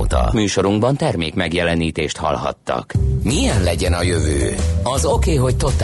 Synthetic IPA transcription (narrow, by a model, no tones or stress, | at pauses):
t̪ɒ̰myːʃo̞ɾuŋɡbɒnt̪ɛrmeːkmɛɡjɛlɛniːt̪eːʃt̪hɒ̰lɦɒ̰t̪ːɒ̰kmijɛnlɛɟɛnɒjø̞vø̰ːɒzo̞keːɦo̞ct̪o̞t̪